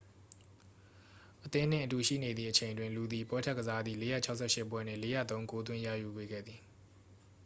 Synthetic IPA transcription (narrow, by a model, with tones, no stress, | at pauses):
ʔət̪ɪ̃˦˨n̥ɪ̰̃˦˨ʔətu˨ʃḭ˦˨ne˨d̪ðḭ˨ʔət͡ɕʰẽ˨ɪ̃ndwɪ̃˨nlu˨d̪ði˨pwɛ˦tʰɛ˦ʔkəza˦d̪ði˦˨le˨˦jä̰˦˨t͡ɕʰa˦ʊʔsʰɛ˦˨ʃɪ˦ʔpwɛ˦n̥ɪ̰̃˦˨le˦jä̰˦˨t̪õ˦ʊ̃ko˦t̪̬wɪ̃˦ja̰˦˨ju˨ɡwe˨ɡɛ̰˦˨d̪ði˨